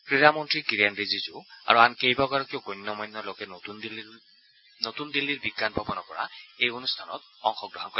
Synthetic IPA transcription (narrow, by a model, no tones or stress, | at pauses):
pɹiɹamɔntɹikiɹijanɹezizʊa̰ɹuankejbaɡaɹɔkiʊɡɔjnːɔmɔjnːɔlokɛnotundil | not̪und̪ilːiɹbiɡːanbʱabɔnɔpɔɹa̰ejonustʰanɔ̰t̚ɔŋxɔk̚dɔɦankɔ